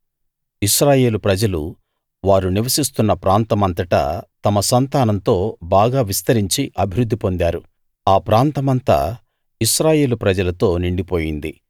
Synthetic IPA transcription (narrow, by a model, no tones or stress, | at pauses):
iʃɾaːje̞ːlupɾɐd͡ʒɐlṵ | ʋaːɾuniʋɐsist̪unːɐpɾaːnt̪ɐmɐnt̪ɐʈɐ̰t̪ɐmɐsɐnt̪aːnɐnt̪o̞ːbaːɡaːʋist̪ɐɾiɲt͡ʃiʔɐbʱiɾud̪ːipo̞nd̪aːɾu | aːpɾaːnt̪ɐmɐnt̪ɐ̰ | iʃɾaːje̞ːlupɾɐd͡ʒɐlɐt̪o̞ːniɳɖipo̞ːjind̪ḭ